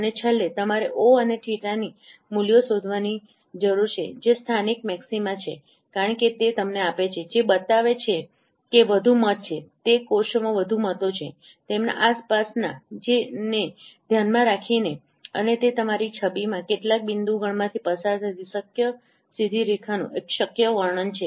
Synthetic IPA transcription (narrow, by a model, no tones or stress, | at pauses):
ənet͡ʃʰəlet̪əmaɾeʔoəneʈʰiʈanimuljosod̪ʱʋani | d͡ʒəɾuɾt͡ʃʰḛd͡ʒest̪ʰanik̚mɛksimãt͡ʃʰḛ | kaɾəɳket̪et̪əmneapet͡ʃʰed͡ʒebət̪aʋet͡ʃʰe | keʋəd̪ʱumət̪̚t͡ʃʰet̪ekoʃomãʋəd̪ʱumət̪ot͡ʃʰe | t̪emna̰ʔaspasnad͡ʒened̪ʱjanmãɾakʰine | ə̰net̪et̪əmaɾit͡ʃʰəbimãkeʈlak̚bind̪uɡʱəɳmãt̪ʰipəsaɾt̪ʰət̪isəkjə | sid̪ʱiɾikʰanṵ̃ʔekʃəkjəʋəɾɳənt͡ʃʰe